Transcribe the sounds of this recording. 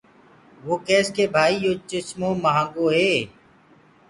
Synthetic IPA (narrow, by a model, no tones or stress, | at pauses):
ʋoːkeːskeːbʱaːiːjoːt͡ʃɪsmõːməɦãːŋɡoːɦeː